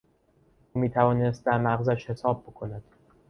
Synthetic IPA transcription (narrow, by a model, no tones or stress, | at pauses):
uːmiːt̪ʰævɒːnest̪̚d̪æɾmæɣzæʃhe̞sɒːb̚ːo̞kʰo̞næd̪̥